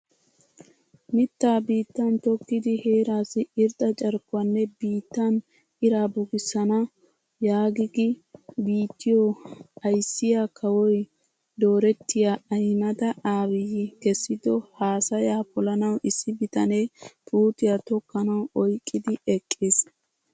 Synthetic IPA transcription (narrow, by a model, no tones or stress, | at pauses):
mɪt̪ːaːbiːt̪ːɐnt̪ɔkːɪd̪ɪheːɾaːsɪɪɾt̪ʼɐt͡ʃʼɐɾkːʊɐnːɛbiːt̪ːɐn | ʔɪɾaːbʊɡɪsːɐnɐ | jaːɡɪɡɪbiːt̪ːɪjɔɐjsːɪjakʰɐwɔj | d̪o̞ːɾɛt̪ːɪjaɐjnɐd̪ɐʔaːwɪjɪkɛsːɪd̪ɔhaːsɐjaːpɔlɐnɐwʔɪsːɪbɪt̪ɐneːpʼuːt̪ɪjat̪ɔkːɐnɐwʔɔjkʼːɪd̪ɪɛkʼːɪs